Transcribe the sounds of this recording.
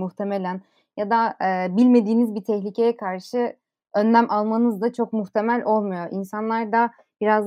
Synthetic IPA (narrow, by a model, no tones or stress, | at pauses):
muht̪ʰe̞me̞lʲæn | jad̪aɛːbilʲme̞d̪iːnizbit̪ʰɛçlʲicʰe̞jɛkʰaɾʃɯ | ø̞nlʲæmʔalˠmanɯzd̪at͡ʃʰo̞kmuxt̪ʰe̞mælʲʔo̞lˠmujo̞ʔinsanlˠaɾd̪a | biɾaz